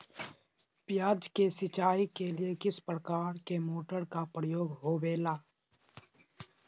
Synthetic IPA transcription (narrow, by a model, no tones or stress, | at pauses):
pɪjaːd͡ʒkesɪt͡ʃaːikeliekɪspɾəkaːɾkemoːʈəɾkapɾəjoːɡɦoːʋeːlaː